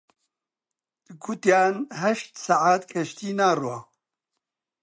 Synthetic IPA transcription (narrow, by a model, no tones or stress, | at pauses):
d̪̥ɨkʰut̪jaːnɦɛʃt̪saʕaːt̪kʰɐʃt̪iːnaːrwaː